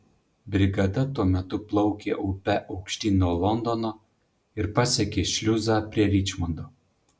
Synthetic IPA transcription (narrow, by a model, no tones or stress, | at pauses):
bʲɾʲɪɡɐd̪ɐt̪uɔmʲɛt̪ʊplˠɒʊkʲeːʔɔpʲɛʔɐʊkʃʲt̪ʲiːnuɔlˠɔnd̪ɔnoː | ɪɾpɐsʲɛkʲeːʃʲlʲʊzɑːpʲɾʲiɛɾʲit͡ʃmɔnd̪oː